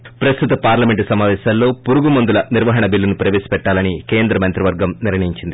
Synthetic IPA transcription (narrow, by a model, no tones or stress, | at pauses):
pɾɐst̪ut̪ɐpaːɾlɐmeɳʈusɐmaːʋɛːʃɐllo̞ːpuɾuɡumɐnd̪ulɐniɾʋɐɦɐɳɐbilːɐnupɾɐʋeːsi̥pɛʈːaːlɐnike̞ːnd̪ɾɐmɐnt̪ɾiʋɐɾɡɐmniɾɳɐjiɲt͡ʃind̪i